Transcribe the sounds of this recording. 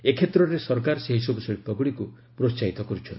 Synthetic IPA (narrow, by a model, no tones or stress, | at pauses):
ekʰet̪ɾɔɾesɔɾkaɾɔseɦisɔbuseɭip̪ːɔɡuɽiku | pɾost͡ʃait̪ɔkɔɾut͡ʃʰɔn